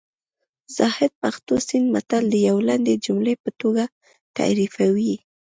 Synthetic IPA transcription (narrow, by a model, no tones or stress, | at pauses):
z̥ɑhɪd̪̚paxt̪osind̪mat̪ald̪əjawland̪ed͡ʒumlepət̪oɡa | t̪a̰ɾifawi